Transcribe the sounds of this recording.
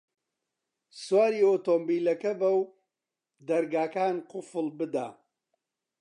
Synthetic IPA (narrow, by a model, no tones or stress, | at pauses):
swaːɾiːoːt̪ombiːlɐkɐbɐw | d̪ɐɾɡaːkaːnqʊfɨlbɨd̪a̰ː